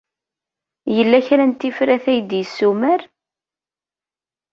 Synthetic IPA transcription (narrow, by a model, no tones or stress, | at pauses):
jəlːæçɾænt̪ːifɾæθæjd̪jəsːumæɾ